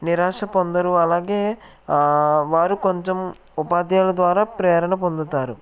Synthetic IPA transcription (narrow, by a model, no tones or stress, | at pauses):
niɾaːʂɐpond̪ɐɾuɐlaːɡe̞ː | ʋaːɾuko̞ɲt͡ʃem | upaːd̪jaːlɐd̪ʋaːɾaːpɾɛːɾɐɳɐpo̞nd̪ut̪aːɾu